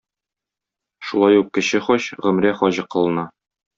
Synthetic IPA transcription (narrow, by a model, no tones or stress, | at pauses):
ʃulˠɑjuq̚kɘ̆ɕɘχɒɕʁɵ̆mɾæχɒʑɤ̆qɤ̆lˠɤ̆nɑ